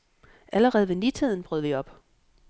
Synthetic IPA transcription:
ʔæləʁɛːð̞̩ˠʋe̝nit͡sʰið̰ˠn̩b̥ʁœð̞̩̰ˠʋiɒ̽b̥

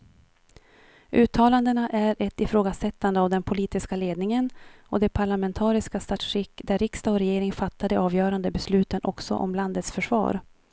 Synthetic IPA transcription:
ʔʉ̟ːt̪ʰːɑːland̪ənaʔæɾʔɛt̪ɪfɾoːɡasɛt̪ːand̪əavd̪ɛnpʰʊliːt̪ɪskaleːd̪nɪŋənɔd̪ɛpʰaɭamɛnt̪ʰɑːɾɪskast̪at̪ʂɾɪkːd̪æɾɪkst̪aɔɾɛjeːɾɪŋfat̪ːad̪əʔɑːvjœːɾand̪əbɛslʉ̟ːt̪ənʔɔksɔ̰ʔɔ̰mland̪ət̪sfœʂvɑ̰ːɾ

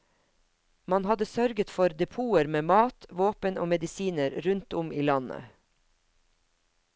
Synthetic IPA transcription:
mɑnhɑd̪əsœɾɡət̪fɔɾd̪ɛpʰuːəɾmeːmɑːt̪ʋoːpənʔo̰ːmɛd̪ɪsiːnəɾɾʉnt̪ʊmiːlɑnə̰

